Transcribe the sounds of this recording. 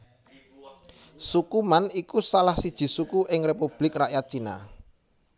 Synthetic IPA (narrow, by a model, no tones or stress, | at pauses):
sukumanikusalahsid̥ʒ̥i̤sukuʔɪŋrepub̥lɪkraʔjat̪̚t͡ʃina̰